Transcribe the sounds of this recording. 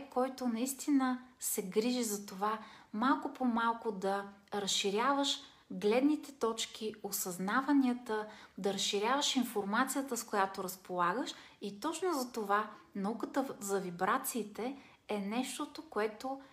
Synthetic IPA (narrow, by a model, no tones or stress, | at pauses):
kɔjt̪onɐist̪inəsɛɡɾiʒizɐt̪ovamalˠkʊpomalˠkʊd̪ɐɾəsʃːiɾʲjavəʃ | ɡlɛd̪nit̪ɛt̪ɔt͡ʃk̟ʰiosɐznavəniət̪əd̪ɐɾəsʃiɾʲavəʃinfoɾmat̪sijət̪əskojat̪oɾəspolˠaɡəʃit̪ɔt͡ʃnozɐt̪ovanɐukət̪əzɐvibɾat̪siːt̪ɛ | ɛnɛʃt̪ot̪okoɛt̪o